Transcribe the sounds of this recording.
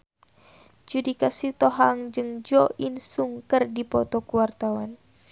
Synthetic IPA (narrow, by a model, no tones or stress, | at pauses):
d͡ʒudikasit̪ɔɦaŋd͡ʒɨŋd͡ʒɔʔinsuŋkərdipɔt̪ɔkuwart̪awan